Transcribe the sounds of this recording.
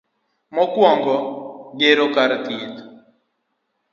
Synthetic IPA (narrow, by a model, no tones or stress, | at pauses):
mɔkwɔŋɡɔɡeɾokaɾt̪it̪